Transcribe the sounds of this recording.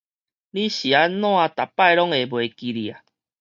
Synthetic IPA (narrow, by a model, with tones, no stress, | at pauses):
li˦ɕi˨a˦nw̃a˧t̪a˨˩pːa˥˧˨jlɔ˦ŋe˨bwe˨ki˧li˨a˨